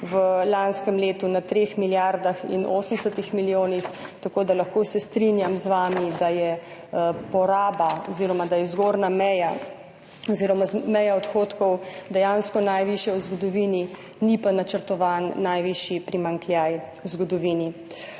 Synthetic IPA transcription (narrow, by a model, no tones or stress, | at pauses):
ʋəlanskɛmleːt̪unat̪ɾexmiljaɾd̪axḭnʔo̰ːsən̩d̪ɛsət̪ixmiljoːnixt̪akoːd̪alaxkosɛst̪ɾinjamzʋaːmid̪ajɛ | pɔɾaːbaɔziːɾɔmad̪ajɛzɡoːɾnamɛja | ɔziːɾɔmamɛjaɔt̪xoːt̪kɔwd̪ɛjanskɔnajʋiʃjɛwzɡɔd̪ɔʋiːni | nipanat͡ʃəɾt̪ɔʋanːajʋiʃjipɾimaŋklʲjajwzɡɔd̪ɔʋiːni